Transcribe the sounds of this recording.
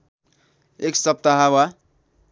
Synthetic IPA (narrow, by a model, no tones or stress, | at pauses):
eksʌp̚t̪aɦawa